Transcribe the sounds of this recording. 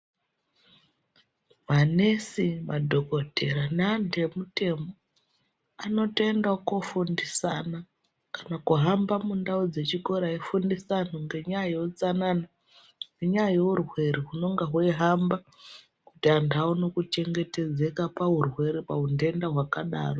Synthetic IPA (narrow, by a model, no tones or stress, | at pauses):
mane̞sima̰dʱo̞kotʰeɾanande̞mute̞mo | ano̞tendakufundisana | kanakuɦambamundaud͡ze̞t͡ʃiko̞ɾaifundisanoŋɡe̞ɲajout͡sanana | ŋɡeɲajourwe̞ɾiɦuno̞ŋɡaɦweɦamba | kutiandauno̞kut͡ʃe̞ŋɡe̞te̞d͡ze̞kapaɦurwe̞ɾepaunde̞ndaɦwakaɗa̰ːro